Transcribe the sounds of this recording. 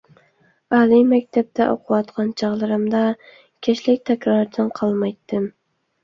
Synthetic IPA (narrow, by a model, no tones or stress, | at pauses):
ɑlimækʲt̪ʰap̚t̪ʰaʔo̰qʰʊwɑt̪qʰɑnt͡ʃʰɑʁlˠɨɾɪmd̪ɑ | kʲʰeʃlɪkʲt̪ʰækʲɾɑɾt̪ʰɑnqʰɑlˠmɑjt̪ːɪm